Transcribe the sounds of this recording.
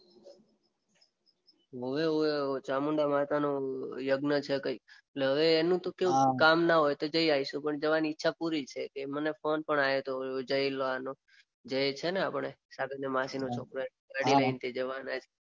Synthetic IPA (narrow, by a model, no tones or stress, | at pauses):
ɦəʋeoot͡ʃamuɳɖamat̪anojəɡnət͡ʃʰekəikeʈleɦəʋeːnũt̪okeũkamnaɦojt̪od͡ʒəiaiʃũpəɳd͡ʒəʋaniɪtːʃʰapuɾit͡ʃʰekemənefonpəɳajet̪ood͡ʒəjloano | d͡ʒəjt͡ʃʰeneapəɳesaɡənːemasinot͡ʃʰokɾoe | ɡaɽiləɦint̪ʰid͡ʒəʋanad͡ʒe